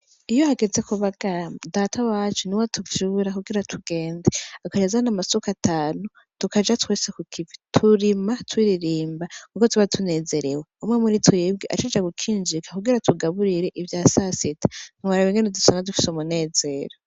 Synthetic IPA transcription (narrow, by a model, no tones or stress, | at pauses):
ijo̞haɡe̞ze̞kuβaɡ̥adatʰawaːt͡ʃuniwatʰuvjuːɾakuɡiɾatʰuɡe̞ːndeakad͡ʒezanamasokatʰaːnu | tukad͡ʒatwe̞ːsekukʰivitʰuɾimatwiːɾiɾiːmbakukotwuβatʰune̞ːze̞ɾe̞weumŋemuɾitʰujebɡiʔa̰t͡ʃed͡ʒaɡukʰiːnd͡ʒikḁkuɡiɾatʰuɡaβuɾiɾe̞ʔivjaːsasitḁn̥iwaɾaβiŋɡenedusonadufi̥sumune̞ːze̞ːɾo